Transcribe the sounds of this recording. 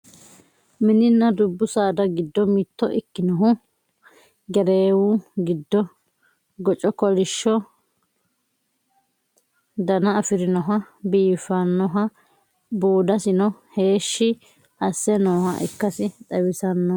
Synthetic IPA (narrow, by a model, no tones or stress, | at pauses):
mɪnɪnːɐd̪ʊbːʊsaːd̪ɐɡɪd̪ːɔmɪt̪ːɔʔɪkːɪnɔɦʊ | ɡɛɾeːwʊɡɪd̪ːɔ | ɡɔt͡ʃʼɔkɔlɪʃːɔ | d̪ɐnɐɐfɪɾɪnɔɦɐbiːfːɐnːɔɦɐ | buːd̪ɐsɪnɔhe̞ːʃːɪ | ɐsːɛnoːhɐ̰ʔɪ̰kːɐsɪt̪ʼɐwɪsɐnːɐ